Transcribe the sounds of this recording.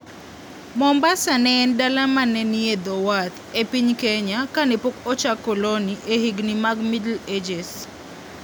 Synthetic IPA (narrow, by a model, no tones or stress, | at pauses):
mɔmbasanɛːndalamanɛnied̪owat̪ | epiɲkeɲakanɛpokɔt͡ʃakːoloniʔehiɡnimaɡmidled͡ʒɛs